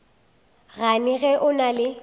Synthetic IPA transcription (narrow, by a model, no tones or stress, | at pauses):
ɣanɪɣɛʔʊnalɪ